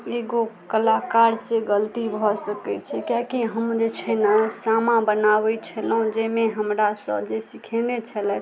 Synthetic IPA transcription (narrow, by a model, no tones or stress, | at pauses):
eɡokəlakaɾsẽɡəlt̪ibʱɔsəkɛt͡ʃʰɛkjakiɦəmd͡ʒet͡ʃʰɛnəsamãbənaʋɛt͡ʃʰəlũd͡ʒemeɦəmɾasə̰bd͡ʒesikʰẽnet͡ʃʰəlɛ